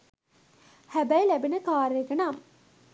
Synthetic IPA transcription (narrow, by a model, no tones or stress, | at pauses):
hæbæjlæbinəkaːɾeɡɐnaːm